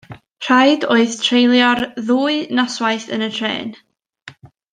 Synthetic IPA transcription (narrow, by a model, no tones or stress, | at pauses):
r̥ajdoːɨðtʰrejlˠjɔrðuːɨnaswaɨθə̰nətʰrḛːn